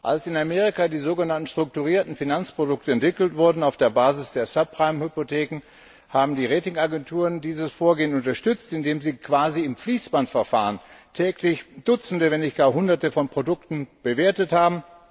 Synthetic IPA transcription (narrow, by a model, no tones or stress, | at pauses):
ʔa̰lsɪnameːʁ̞ikadiːzoːɡənantn̩ʃtʁ̥ʊk̚tuʁiːɐtn̩finant͡spʁ̥odʊk̚təɛntv̥ɪkl̩tv̥ʊɐdn̩aʊfd̥eːɐbaːzɪsd̥eːɐsœpʁ̥aɪmhʏpotʰɛːkŋ̩ | haːbm̩diːʁeːtɪŋaɡɛntʰuːʁəndiːzəsfoːɐɡeːənʊntɐʃtʏt͡stɪndeːmziːkʰv̥aːziɪmfliːsb̥antfɛɐfa̰ːʁəntʰɛːklɪçd̥ʊt͡sn̩dəvɛnɪçt̚ɡ̥aːɐɦʊndɐtəfɔnpʁ̥odʊktn̩b̥əveːɐtəthaːbm̩